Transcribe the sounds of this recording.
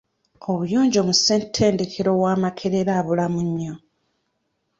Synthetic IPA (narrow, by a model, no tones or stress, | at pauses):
oβujoːɲɟo̞ːmuseːntʰːe̞ːnde̞kʰeɾo̞ɣwaːmakʰe̞ɾeɾaːβulamuɲːo̞